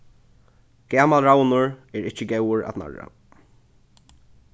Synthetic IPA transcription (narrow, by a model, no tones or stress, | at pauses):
ɡ̥ɛːmalɾawnʊɹɛɾɹɪt͡ʃɪɡɛwʊɹa̰t̪na̰ɹa̰